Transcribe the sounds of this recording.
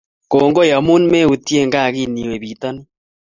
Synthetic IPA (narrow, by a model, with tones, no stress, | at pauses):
koː˨ŋɡo˦ja˨mu˦n˦me˦˨u˨ti˦e˦˨ŋɡa˦˨ɣi˦ni˨we˨βi˨ta˦ni˦